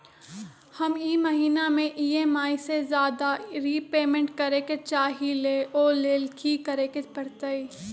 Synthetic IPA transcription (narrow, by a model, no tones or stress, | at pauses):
hɐmiːməɦiːnamẽʔiːeːmaːisezjaːd̪aɾiːpeːmẽɳʈkɐɾeket͡ʃaːɦileʔɔːleːlkʰikəɾeːkepɐɽt̪əiː